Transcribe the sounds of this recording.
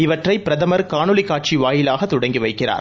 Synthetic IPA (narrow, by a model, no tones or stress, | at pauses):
ɪʋɐʈrɐɪpːɪɾɐðɐmɐɾkaːɳɯlɪkːaːʈ̚t͡ʃiʋaːjɪlaːɣɐt̪ʊɽɐŋɡiʋɐɪkːɪra̰ːɾ